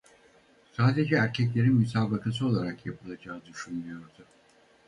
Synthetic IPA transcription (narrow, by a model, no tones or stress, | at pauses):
saːd̪e̞d͡ʒɛːɾcʰɛc̬lʲe̞ɾinmysaːbakʰas̬ɯo̞lˠaɾakjapʰɯlˠad͡ʒaːɯd̪yʃunlujo̞ɾd̪ʊ